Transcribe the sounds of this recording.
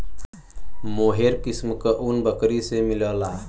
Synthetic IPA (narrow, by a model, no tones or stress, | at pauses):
moɦeɾkismkəʔunbəkɾisemiləla